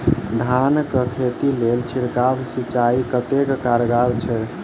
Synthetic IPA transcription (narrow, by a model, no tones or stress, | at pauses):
d̪ʱankəkʰet̪ilelt͡ʃʰiɽkabsit͡ʃaikət̪ekkaɾɡabt͡ʃʰɛ